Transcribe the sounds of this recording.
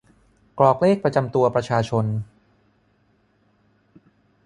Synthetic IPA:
klɔː˨˩k̚leː˥˩k̚pɾa˧t͡ɕa˧mt̪u˧ɐpɾa˧t͡ɕʰaː˧t͡ɕʰo˧n

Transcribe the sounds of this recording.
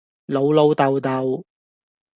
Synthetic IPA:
lo˨˧wlo˨˧wt̪ɐ˨wt̪ɐ˨˧w

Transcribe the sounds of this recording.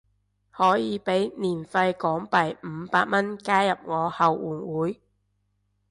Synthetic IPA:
hɔː˨˥jiː˨˧pe˨˥jniː˨˩nfɐ˧jkɔː˨˥ŋpɐ˨˩jm̩˨˧˦paː˧t̚mɐ˥nkaː˥jɐ˨p̚ŋɔː˨˧hɐ˨wwuː˨˩nwuː˨˥j

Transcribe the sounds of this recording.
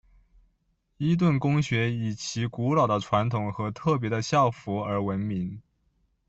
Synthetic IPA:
i˥t̪̬wə˥˩nkʊ˥ŋɕɥɛ˧˥i˨˩t͡ɕʰi˧˥ku˧˥lɑ˨˩d̪ə˦ʈ͡ʂʰwa˧˥nt̪ʰʊ˨˩ŋxɤ˧˥t̪ʰɤ˥˩p̬jɛ˧˥d̪ə˧ɕjɑ˥˩ʊfu˧˥ə˞˧˥wə˧˥nmi˧˥ŋ

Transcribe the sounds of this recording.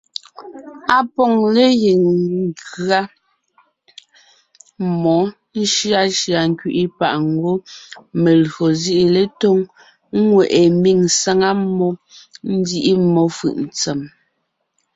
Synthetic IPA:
a˨pɔ˦˨ŋle˦ɣi˨ŋɡɰa˦ | mɔ˨˦ | ʃɰa˦ʃɰa˨ŋ̩˦kɥi˦ʔi˦pa̰˨ʔŋ̩˦ɡo˦me˨lɰo˨zi˦ʔi˦˨le˦to˦ŋ˦ | ŋwɛ˨ʔe˨mi˦˨ŋsa˦ŋa˦mɔ˦n̩˦di˦ʔi˦mɔ˦fɯ̰˨ʔn̩˨t͡sɛ˨m

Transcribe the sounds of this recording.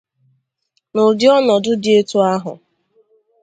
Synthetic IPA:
nʊ˨dɪ˦ɔ˦nɔ˨dʊ˦dɪ˦e˦tu˦a˦ɦʊ̰˨

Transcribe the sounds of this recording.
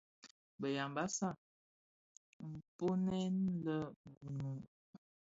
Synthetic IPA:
bə˨ja˨mba˦sa˦˨ | m̩˨po˦nɛ˦nlə˦bu˨nu˨

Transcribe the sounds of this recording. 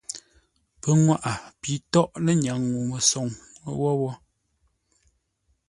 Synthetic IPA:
pə˨˦ŋwa˦ʔa˨pi˨˦tɔ˦ʔlə˦ɲ˨a˨ŋːu˨mə˨sɔ˨ŋ˦wɔ˦wɔ˦

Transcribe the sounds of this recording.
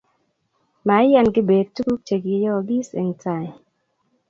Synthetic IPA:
ma˨˦ja˦˨nɡɪ˦be˨d̚tu˦ku˦k̚t͡ʃe˨ɡjɔ˦˨ɡi˦se˨ŋta˨

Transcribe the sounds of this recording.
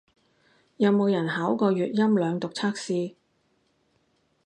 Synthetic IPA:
jɐ˨˧wmo˨˧wjɐ˨˩nɦaː˨˥wkɔː˧jyː˨t̚jɐ˥mlœː˨˧ŋt̪ʊ˨k̚t͡sʰaː˥k̚siː˧

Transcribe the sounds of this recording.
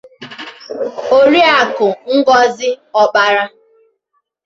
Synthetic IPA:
o˦ɾi˦a˨kʊ˨ŋ̩˦ɡɔ˦zɪ˦ɔ˦ɓa˦ɾa˦

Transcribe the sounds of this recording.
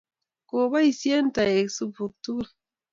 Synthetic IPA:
ko˨βa˦i˨sje˦n˦ta˨e˨su˦pu˨k̚tu˦l

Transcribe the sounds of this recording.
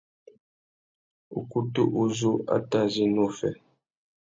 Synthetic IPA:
ṵ˨ku˦tu˦ʔu˦zu˦a̰˦ta˦zi˦nu˦fɛ˨

